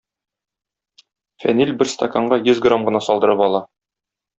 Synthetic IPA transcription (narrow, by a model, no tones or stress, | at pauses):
fænilʲbɘɾst̪akaɴɢɑjɵzɡromʁɤ̆nɑsɒlˠd̪ɤ̆ɾɤpɒlˠɑ